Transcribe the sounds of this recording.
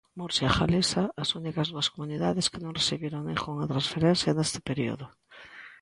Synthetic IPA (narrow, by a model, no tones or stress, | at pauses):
muɾsjaxa̰lesaasunikazðuaskomuniðaðeskenõŋreθiβjeɾoŋnexoŋat̪ɾãnsfeɾen̟θjanest̪e̥peɾio̰ðo